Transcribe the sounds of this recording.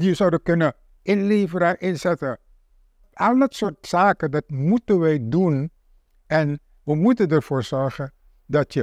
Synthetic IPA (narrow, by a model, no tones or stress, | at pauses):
dizɑwdəkɵnə | ʔɪnleːvəɾəʔɪnzɛtə | ɔpɑlˠdɑtsʊːɹtsaːkəndɑtmutənʋɛjdun | ɛn | ʋəmutəndəɹv̥oːɹz̥ɔɹχən | dɑtjə